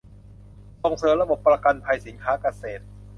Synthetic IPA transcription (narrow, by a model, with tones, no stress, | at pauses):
so˨˩ŋsɤː˨˦mɾa˧bo˨˩pːɾa˧ka˧npʰa˧jsi˩˦nkʰaː˦˥ka˧seː˨˩t̪̚